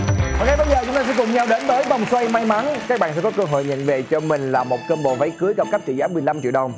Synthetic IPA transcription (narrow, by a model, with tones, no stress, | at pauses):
ɔ˨˩ŋa˧˦jɓəː˧jzəː˨˩t͡ɕʊ˦ŋ͡mt̪aː˧sɛ̰˧˥kʊ˨˩ŋ͡mɲa˧wɗe˨˦nvəː˨˦jva˨˩wŋ͡mswa˧jma˧jma˨˦nkaː˦˥k̚ɓa̰ː˧˨sɛ̰˧˥t̪o˦˥kəː˧ɦo̰˧˨jɲə̰˧˨nve˨˩t͡ɕɔ˧mï˨˩ŋ̟laː˨˩mo˨˩t̚kəː˧nɓo̰˧˨va˨˦jkɨ˨˦əjɣa˨˩ka˦˥p̚t͡ɕḭ˧˨zaː˨˦mɨ˨˩əjla˧mt͡ɕḭ˧˨əwɗə˨˩wŋ͡m